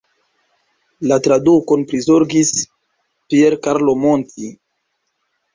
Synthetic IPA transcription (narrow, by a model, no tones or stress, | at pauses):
latɾaduko̞npɾizoɾɡis | pieɾkaɾlo̞mo̞ntʰi